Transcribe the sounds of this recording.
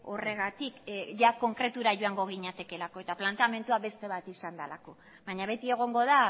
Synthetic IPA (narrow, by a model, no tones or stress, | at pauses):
o̞re̞ɣ̞at̪ikʝako̞ŋkɾe̞t̪uɾaʝoaŋɡo̞ɣ̞iɲat̪e̞ke̞lako̞e̞t̪aplant̪ame̞nt̪uaβe̞st̪e̞βat̪isand̪ala̰ko̞ | βaɲaβe̞t̪ie̞ɣ̞o̞ŋɡo̞ða